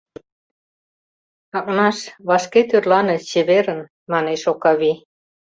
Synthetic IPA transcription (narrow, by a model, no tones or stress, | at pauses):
ɑk̚nɑʃβɑʃket̪ørlɑnɤ̆t͡ɕeβeɾə̆n | mɑneʃokɑβi